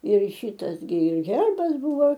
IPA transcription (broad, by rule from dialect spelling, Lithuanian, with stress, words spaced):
ɪr ˈʃʲiːtɐs ɡʲɪ ˈɣʲɛrbɐs ˈbʊʋoː